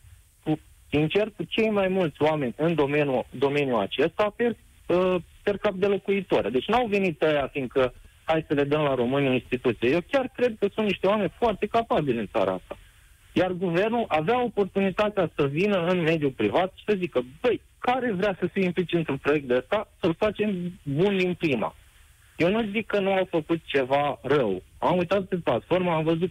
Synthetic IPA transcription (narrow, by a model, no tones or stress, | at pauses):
ku | sint͡ʃe̞rkut͡ʃe̞jmajmult̪sʲoame̞nʲɨnd̪o̞menjud̪o̞me̞njua̰t͡ʃe̞st̪ape | əpe̞rkap̚d̪e̞lo̞kuit̪oɾad̪e̞t͡ʃʲnawve̞nit̪əjafiŋɡ̪̚kə | hajsəle̞d̪əmlaɾo̞mɨniinst̪it̪ut̪sijeje̞wkʲarkɾe̞d̪̚kəsunt̪niʃt̪eoame̞nʲfoart̪e̞kapabilʲɨnsa̰ɾɐ̰a̰st̪a | jarɡuve̞rnulʔaveao̞po̞rt̪unit̪at̪easəvinəɨnme̞d̪jupɾivat̪ʃi̥səzikəbəj | kaɾe̞vɾeasəfijimplit͡ʃiɛnt̪unpɾo̞je̞k̚t̪d̪eəst̪asəlfat͡ʃe̞mbund̪inpɾima̰ | je̞wnuzikːənuawfəkut̪̚t͡ʃe̞varəwamujt̪at̪̚peplat̪fo̞rməamvəzut̪̚